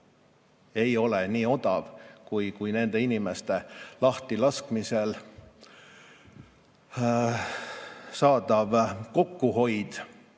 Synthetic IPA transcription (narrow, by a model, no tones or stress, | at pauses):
e̞jo̞leniːo̞d̪̥ɑvkujkujne̞nd̪e̞inime̞st̪e̞lɑht̪ilɑskmise̞l | sɑːd̪ɑvko̞kːuɦo̞jd̪̥